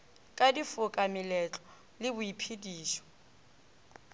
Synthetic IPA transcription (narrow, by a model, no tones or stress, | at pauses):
kʼadifʊkʼamɪlɛt͡ɬɔ̥ | lɪbʊipʰidiːʃɔ̥